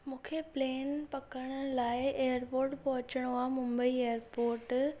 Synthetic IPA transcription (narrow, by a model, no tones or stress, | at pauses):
mũːkʰepleːnpɐkəɽ̃ʊlaːɪeːjəɾpoːɾʈpɐɦʊt͡ɕəɽ̃ʋãmʊ̃mbəiejəɾpoːɾʈ